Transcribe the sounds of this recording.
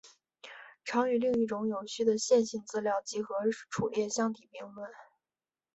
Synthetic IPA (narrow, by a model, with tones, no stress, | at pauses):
ʈ͡ʂʰɑ˧˥ŋy˧˥li˥˧ŋi˥˩ʈ͡ʂʊ˧˥ŋjo˨˩ʊɕy˥˩d̪ə˨˩ɕjɛ˥˧nɕi˥˧nt͡sɹ̩˥˧ljɑ˥˩ʊt͡ɕi˧˥xɤ˧˥ʈ͡ʂʰu˨˩ljɛ˥˧ɕjɑ˥ŋt̪i˨˩pi˥˧ŋlwə˥˩n